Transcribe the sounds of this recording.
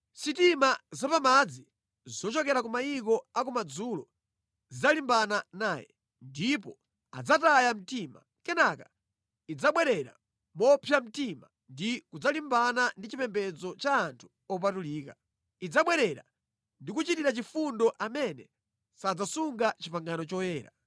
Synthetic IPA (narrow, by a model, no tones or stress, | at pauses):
sitimazapamad͡zi | zɔt͡ʃɔkɛɾakumaikɔak̬umad͡zulɔ | zizalimbananaːjɛ̰ | ndipɔ | a̰d͡zatajam̩tima̰ | kɛnaka | id͡zaɓwɛɾɛɾa̰ | mɔpʰjam̩tima | ndikud͡zalimbanandit͡ʃipɛmbɛd͡zɔt͡ʃaːntʰu̥ | ɔp̬atuliːka | id͡zaɓwɛɾɛɾa̰ | ndikut͡ʃitiɾat͡ʃifundɔʔamɛnɛ | sad͡zasuŋɡat͡ʃipaŋɡanɔt͡ʃɔjɛːɾa̰